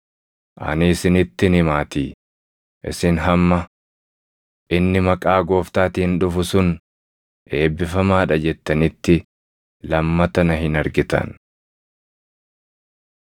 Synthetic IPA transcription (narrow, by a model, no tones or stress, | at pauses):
ʔɐ̰nɪːsɪnɪt̪ːɪnɪmaːt̪iː | ʔɪ̰sɪnɦɐmːɐ | ʔɪnːɪmɐkʼaːɡo̞ːft̪aːt̪ɪɪnᶑʊfʊsʊn | ʔe̞ːbːɪfɐmaːᶑɐd͡ʒɛt̪ːɐnɪt̪ːɪ | lɐmːɐt̪ɐnɐɦɪnɐɾɡɪt̪ɐ̰n